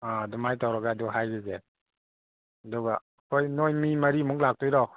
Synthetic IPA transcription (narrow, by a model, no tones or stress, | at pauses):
adumajtawɾaɡaːduɦajɡɯze | aduɡa | kʰojnojmimaɾimuŋlak̚tʰujɾɔ